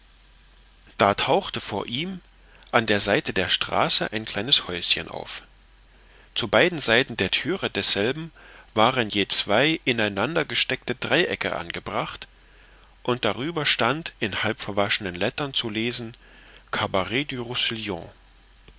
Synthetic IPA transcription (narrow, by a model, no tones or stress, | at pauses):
d̥aːtʰaʊxtəfoːɐʔiːm | ʔandeːɐzaɪtədeːɐʃtʁ̥a̰ːsəʔaɪnkʰl̥aɪnəshɔʏsçə̰nʔa̰ʊf | t͡subaɪdn̩zaɪtn̩deːɐtʰyːʁədɛsz̥ɛlbm̩vaːʁənjeːt͡sv̥aɪʔɪnaɪnandɐɡəʃtɛk̚tədʁaɪʔɛkʰə̰ʔa̰nɡəbʁaχt | ʔʊnt̚d̥aʁyːbɐʃtantʔɪnhalpfɛɐvaʃənənlɛtɐnt͡suleːzn̩ | kʰabaʁɛdyʁusiljɔ̰̃